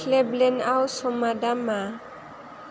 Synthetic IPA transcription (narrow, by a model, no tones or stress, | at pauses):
lɛblɛnawsɔmadama